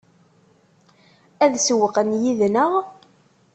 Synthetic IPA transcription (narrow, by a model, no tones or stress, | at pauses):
æðswəqənjiðnəʁ